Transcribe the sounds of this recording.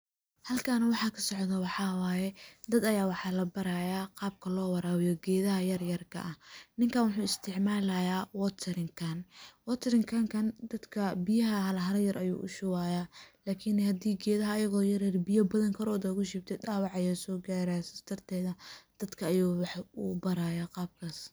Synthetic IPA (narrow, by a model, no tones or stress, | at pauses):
hɐlkʰaːnɐwɑħɑːkʰɐsɔʕðɐwɑħɑːwaːjɛd̪ɐd̪ɐjaːwɑħɑːlɐbɐɾaːjaːqɑːb̚kʰɐlɔːwɑɾaːwɪjɔɡɛːðɐɦɐjɐrjɐrkʰɐ̰ʔɐhnɪŋkʰaːnwʊħuːɪst̪ʰɪʕmaːlɐjaːwɔt̪ʰɐɾɪŋkʰɐnwɔt̪ʰɾɪŋkʰɐŋkʰɐnd̪ɐd̪kʰɐbɪjɐɦɐɦɐlɐɦɐɾɐjɐɾʔɐjṵːʔʊ̰ʃʊwaːjaːlaːkʰɪnhɐd̪iːɡɛːðɐɦɐːjɐɣɔːjɐrjɐrbɪjɐbɐðɐŋkʰɐɾɔːd̪ɐkʊʃɪb̚t̪ʰɛdaːwɑʕɐjaːsɔːɡaːɾasɐst̪ʰɐrt̪ʰɛːðɐd̪̥ɐd̪kʰɐːjuːwɑħṵːbɐɾaːjaːqɑːb̚kʰaːs